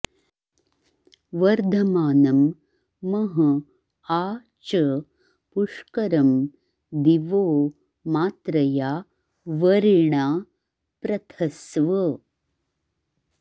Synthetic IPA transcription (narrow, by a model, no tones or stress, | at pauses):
ʋɐɾd̪ʱɐmaːnɐmː | ɐɦɐ | aː | t͡ʃɐ | puʂkɐɾɐm | d̪iʋoː | maːt̪ɾɐjaː | ʋɐɾiɳaː | pɾɐt̪ʰɐsʋɐ